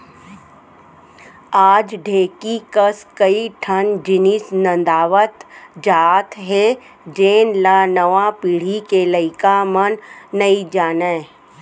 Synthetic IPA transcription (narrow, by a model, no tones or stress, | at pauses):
aːd͡ʒɖʱeːkikəskəiʈʰənd͡ʒɪnisnə̃nd̪aːʋət̪d͡ʒaːt̪ɦe | d͡ʒeːnlaːnəʋãpiːɽ̤ikeləɪkamənːɐid͡ʒaːnaː